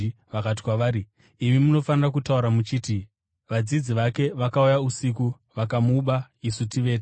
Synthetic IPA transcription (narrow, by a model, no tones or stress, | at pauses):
ʋakat̬i̥kwaʋaːɾi | imimuno̞fanirak̬utauɾamut͡ʃiːti | ʋad͡zid͡ziʋake̞ʋakaujausik̬u | ʋakamuɓaisutiʋe̞ːte